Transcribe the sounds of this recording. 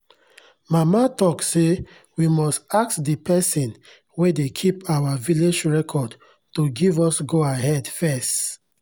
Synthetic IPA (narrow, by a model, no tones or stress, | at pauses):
mamatɔkse | wimɔstak̚tdipɛsĩn | wedekʰipawaviled͡ʒɹɛkʰɔd | toɡivɔsɡoaɦɛdfɛst